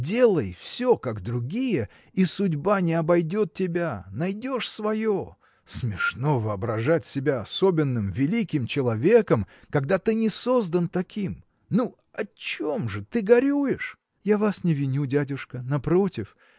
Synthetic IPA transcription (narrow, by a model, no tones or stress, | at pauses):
dʲe̞lˠəjfsʲokaɡd̪ɾʊɡʲijə | isʊdʲbanʲɪɐbɐjdʲot̪̚tʲɪbʲanɐjdʲo̞ʂsvɐjo | smʲɪʂnovɨɐbɾɐʐatʲsʲɪbʲaɐso̞bʲɪnːɨmvʲɪlʲikʲɪmt͡ɕɪlˠɐvʲe̞kəm | kɐɡd̪at̪ɨnʲɪso̞zd̪ənt̪ɐkʲim | nu | ɐt͡ɕomʐɨt̪ɨɡɐɾʲujɪʂ | javasnʲɪvʲɪnʲudʲadʲʊʂkənɐpɾotʲɪf